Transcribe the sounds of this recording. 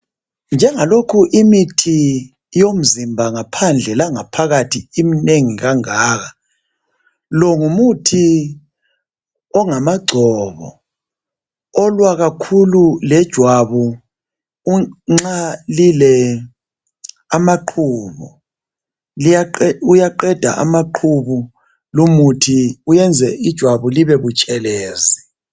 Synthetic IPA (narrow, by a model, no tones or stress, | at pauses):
nd͡ʒʱɛŋalokʰuʔimitʰi | jom̩zimbʱaŋapʰand͡ɮʱɛlaŋapʰaɣatʰiimineŋiɣaŋaːɣa | lɔŋumutʰi | ɔŋamaɡ͡ǀʱɔβɔ̰ | ɔlwaɣakʰululɛd̥ʒ̥ʱwaβu | ŋ͡ǁalilɛ | amaǃʰuːβṵ | lujaǃɛd̥ʱa̰ʔa̰maǃʰuβu | lumutʰiujɛnd͡zʱɛid̥ʒ̥ʱwaβuliβɛβut͡ʃʼɛlɛːzi